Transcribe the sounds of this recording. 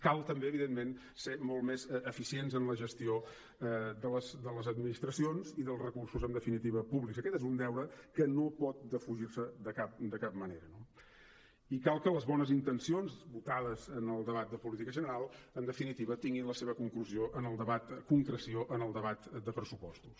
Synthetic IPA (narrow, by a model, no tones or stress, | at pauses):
kalˠt̪əmbeəβiðenmen | semolˠt̪mezəfisienzənləʒəst̪io | ɛd̪ələzd̪ələzəd̪minist̪ɾəsionziðəlˠzrəkursuzənd̪əfinit̪iβəpuβlikzəkɛt̪ezund̪ɛwɾəkənopɔt̪̚d̪əfuʒirsəd̪əkap̚d̪əkap̚məneɾəno | ikalˠkələzβɔnəzint̪ənsionzβut̪aðəzənəlˠd̪əβat̪̚d̪əpulit̪ikəʒənəɾalˠənd̪əfinit̪iβət̪iŋɡinləseβəkuŋkluzioʔənəlˠd̪əβat̪kuŋkɾəsioʔənəlˠd̪əβat̪d̪əpɾəsupɔst̪u̥s